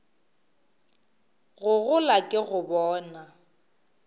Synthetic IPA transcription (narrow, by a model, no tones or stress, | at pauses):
ɣʊɣʊlakʼɪɣʊbɔːna